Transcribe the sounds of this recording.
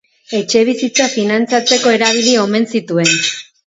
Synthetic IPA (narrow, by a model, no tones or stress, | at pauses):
e̞t͡ʃe̞β̞isit͡safinant͡sat͡seko̞e̞ɾaβ̞ilio̞me̞nsit̪ue̞n